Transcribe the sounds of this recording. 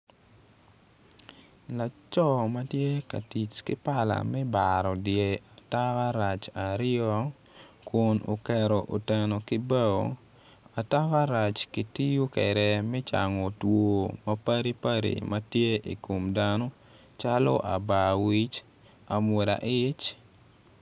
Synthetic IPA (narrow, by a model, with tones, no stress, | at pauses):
la˨t͡ʃɔ˦ma˦tje˦ka̰˨ti˨t͡ʃkɪ˦pa˦la̰˨mɛ˦baɾɔ˨dje˨a˨ta˦wa˦ɾa˨t͡ʃa˨ɾɪɔ˦ | kʊ˨nʔo̰˨kɛ˨ɾɔ˨ʔo˨tɛ˨no˨kɪ˦ba˦o˨ | a˨ta˦wa˦ɾa˨t͡ʃki˨ti˦ju˦kɛ̰ɾɛ˨mɛ˦t͡ʃa̰˨ŋɔ˨two˨mɐ˦pa˦ɾi˦pa˦ɾḭ˨mɐ˦tje˦ʔḭ˨ko˨mdano˦ | t͡ʃa˦lɔ̰˦ʔa̰˨ba˨wi˦t͡ʃ | a˨mwo˨da̰˨ʔɪ˦t͡ʃ